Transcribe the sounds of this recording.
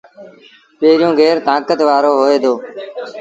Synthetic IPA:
peːɾɪjõːɡʱeːɾt̪ãːkət̪ʋaːɾoːɦoːeːd̪oː

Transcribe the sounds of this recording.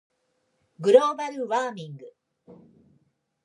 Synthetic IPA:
ɡuɾoːbɐɾɯʋaːmiŋɡɯ

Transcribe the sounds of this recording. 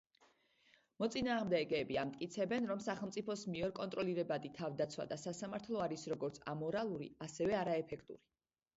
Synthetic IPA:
mɔt̪sʼinaːʁmd̪ɛɡɛːbiamt̪ʼkʼit̪sʰɛbɛnɾɔmsaχɛlˠmsʼipʰɔsmiɔɾkʼɔnt̪ʼɾɔliɾɛbad̪it̪ʰavd̪at̪sʰwa̰d̪asasamaɾt̪ʰlˠɔaɾisɾɔɡɔɾt̪sʰa̰mɔɾalˠuɾḭasɛvɛaɾaɛpʰɛkʰt̪ʼṵɾi

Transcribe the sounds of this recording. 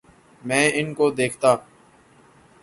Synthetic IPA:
mɛ̃ːɪnkod̪eːkʰt̪aː

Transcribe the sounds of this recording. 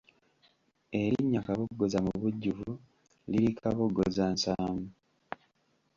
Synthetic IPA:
e̞ɾiɲːakaβoɡːozamuβuɟːuvu | liɾikʰaβoɡːozaːnsaːmu

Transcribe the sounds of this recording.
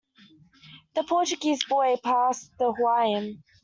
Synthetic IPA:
ðəpʰɔˑt͡ʃəɡiːzbɔɪpʰɑˑsðəhwaɪə̃n

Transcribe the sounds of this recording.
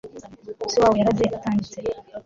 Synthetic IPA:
usiwaːwojaɾazeataːɲɟit͡se

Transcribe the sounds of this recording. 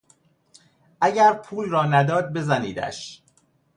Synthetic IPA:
ʔæɟæɾpʰuːlrɒːnæd̪ɒːd̪̚be̞zænḭːd̪æ̰ʃ

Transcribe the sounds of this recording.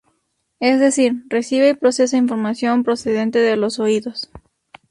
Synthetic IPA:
ezðe̞siɾre̞siβeipɾo̞se̞s̬ainfo̞ɾmasjo̞mpɾo̞se̞ðe̞nt̪e̞ðelo̞so̞iðo̞s

